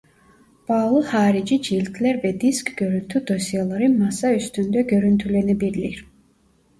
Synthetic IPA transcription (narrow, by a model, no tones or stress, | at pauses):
b̥ɑɣlˠɯhɑːɾid͡ʒid͡ʒilʲt̪ʰlæɾvɛd̪iskɡ̥ø̞ɾylʲt̪ʰyd̪o̞sijalˠɑɾɯmɑsɑyst̪ynd̪ɛɟøɾynt̪ʰylɛnibiɾliɾ